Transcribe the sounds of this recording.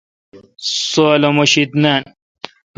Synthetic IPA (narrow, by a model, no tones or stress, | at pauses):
solomoɕit̪nan